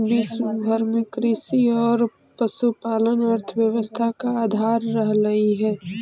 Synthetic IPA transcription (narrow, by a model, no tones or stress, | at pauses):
bisbʱəɾmɪkɾɪsiɔːɾ | pəsupaːlənəɾt̪ʰəʋjəʋəst̪ʰakaaːd̪ʱaːɾːəɦləiɦɛː